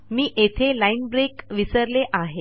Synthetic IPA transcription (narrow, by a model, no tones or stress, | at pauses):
miːʔet̪ʰelainbɾekʋisəɾleʔaɦe